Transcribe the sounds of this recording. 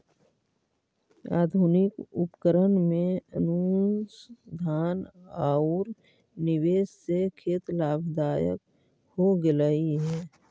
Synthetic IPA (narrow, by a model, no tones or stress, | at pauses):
a̰ːd̪ʱunɪkʊpkəɾənmẽənusd̪ʱaːnaːʊɾ | nɪweːssekʰeːt̪laːbd̪aːjə̰k | hoɡɪləiɦɛː